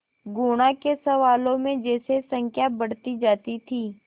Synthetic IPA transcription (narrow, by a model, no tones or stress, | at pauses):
ɡuːɽ̃akesɐʋaːlõmẽd͡ʒɛːsesɐ̃ŋkʰjabɐɽ̤t̪id͡ʒaːt̪it̪ʰiː